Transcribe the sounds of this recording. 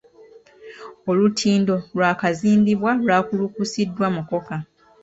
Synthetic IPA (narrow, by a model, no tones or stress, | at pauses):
olutʰiːndo̞lwaːkaziːndiβwalwaːkulukusidːwamuko̞ka